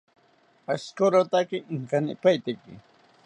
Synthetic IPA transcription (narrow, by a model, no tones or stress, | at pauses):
askoɾot̪akɪŋkanɪ̰pajt̪ɪkɪ̰